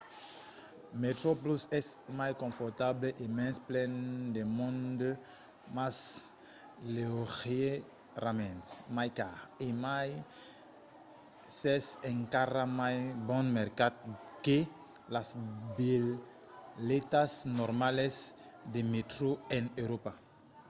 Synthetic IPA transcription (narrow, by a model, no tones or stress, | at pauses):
met̪ɾoplusɛsmajskõɱfoɾt̪ableʔemɛ̃nsplɛnd̪emõnd̪o | mas | leoʁje | ramẽnsmajkaemaj | sɛsẽŋkaramajbɔ̃nmeɾkad̪̚ke | lasbi | let̪asnoɾmales | d̪emet̪ɾoẽnewɾopa